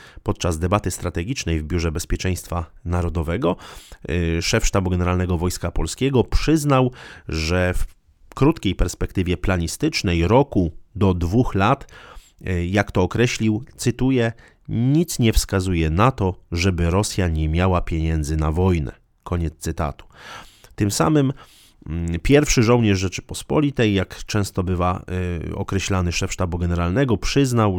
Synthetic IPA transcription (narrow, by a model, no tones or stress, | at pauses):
pɔt̪̚t͡ʂazd̪ɛbat̪ɘst̪ɾat̪ɛɡʲit͡ʂnɛjvbʲjuʐɛbɛspʲjɛt͡ʂɛj̃st̪fanaɾɔd̪ɔvɛɡɔ | ʂɛfʂt̪abuɡɛnɛɾalnɛɡɔvɔjskapɔlskʲɛɡɔpʂɘznawʐɛf | kɾut̪kʲejpɛɾspɛkt̪ɘvʲjɛplaɲist̪ɘt͡ʂnɛjɾɔkud̪ɔd̪vuxlat̪ | jakt̪ɔːkɾɛɕlʲiwt̪sɘt̪ujɛ | ɲit̪sɲɛfskazujɛnat̪ɔʐɛbɘɾɔsʲjaɲɛmʲjawapʲjɛɲɛnd̪zɘnavɔjnɛ̰ | kʰɔɲɛt̪st̪sɘt̪a̰t̪u̥t̪ɘmsa̰mɘm | pʲjɛɾfʂɘʐɔwɲɛʐʐɛt͡ʂɘ̥pɔspɔlʲit̪ɛjːakt͡ʂɛ̃w̃st̪ɔbɘva̰ɔ̰kɾɛɕlanɘʂɛfʂt̪abuɡɛnɛɾalnɛɡɔpʂɘznaw